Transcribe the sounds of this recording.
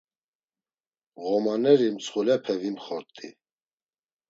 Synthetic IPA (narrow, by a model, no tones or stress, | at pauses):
ɣɔmanɛɾimt͡sʰχulɛpʰɛvinχɔɾt̪ʼḭ